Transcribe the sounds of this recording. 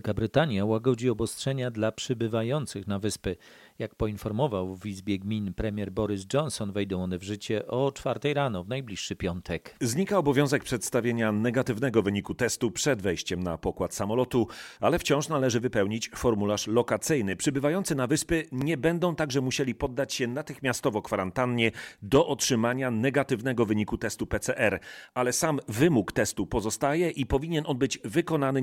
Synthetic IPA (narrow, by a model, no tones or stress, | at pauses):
ɛlkabɾɘt̪aɲjawaɡɔd͡ʑiɔbɔstʂɛɲad̪lapʂɘbɘvajɔnt̪sɘxnavɘspɘ | jak̚pɔinfɔɾmɔvawvizbʲjɛɡmʲinpɾɛmʲjɛɾbɔɾɘzd͡ʐɔnsɔnvɛjd̪ɔ̃w̃ɔnɛvʐɘt͡ɕɛʔɔt͡ʂfaɾt̪ɛjɾanɔvnajblʲiʂːɘpʲjɔnt̪ʰɛkzɲikaɔbɔvʲjɔ̃w̃zɛk̚pʂɛt̪st̪avʲjeɲanɛɡat̪ɘvnɛɡɔvɘɲikut̪ɛst̪upʂɛd̪vɛjɕt͡ɕɛmna̰pɔkwat̪samɔlɔt̪ua̰lɛft͡ɕɔ̃w̃ʂnalɛʐɘvɘpɛwɲit͡ɕfɔɾmulaʂlɔkat̪sɘjnɘpʂɘbɘvajɔnt̪sɘnavɘspɘɲɛbɛnd̪ɔ̃w̃t̪aɡʐɛmuɕelʲipɔd̪ːat͡ɕɕɛnat̪ɘxmʲjast̪ɔvɔkfaɾant̪anɲɛd̪ɔʔɔtʂɘmaɲanɛɡat̪ɘvnɛɡɔvɘɲikut̪ɛst̪upɛt̪sɛʔɛɾalɛsamvɘmukt̪ɛst̪upɔzɔst̪ajɛʔipɔvʲiɲɛnɔnbɘd͡ʑvɘkɔn̪anɘ